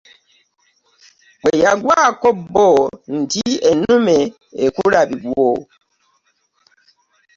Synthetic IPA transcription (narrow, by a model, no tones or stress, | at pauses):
k͡pejaɡwakobon̩tienume | ekuɾabiɓwoː